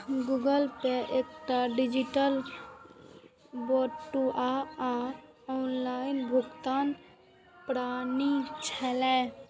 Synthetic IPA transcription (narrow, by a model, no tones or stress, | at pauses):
ɡuɡəlpeʔeːkʈaɖɪd͡ʒiʈəl | bɔʈːuʔaa | ɔnlaɪnbʱʊɡt̪aːn | pɾaːnit͡ʃʰɛlɛ